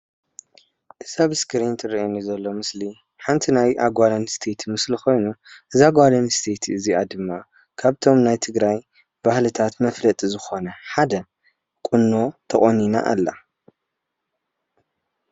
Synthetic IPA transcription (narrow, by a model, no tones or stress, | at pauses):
ʔɨsaβɨskʰɨɾint̪ʰɨrɐenizɐlːo̞mɨsli | ħant̪ʰinajʔaɡʷalɐnst̪ʰe̞t̪ʰmɨslixo̞jnuʔɨzaɡʷalɐnst̪ʰe̞t̪ʰɨziad̪ɨmːa | kʰaβt̪ʰo̞mnajt̪ʰɨɡɾaj | b̥ahlɨt̪ʰat̪mɐflɐt̪ʼizɨxo̞nɐħad̪ɐ | kʼunːot̪ʰɐχʼonina̰ʔa̰lːa̰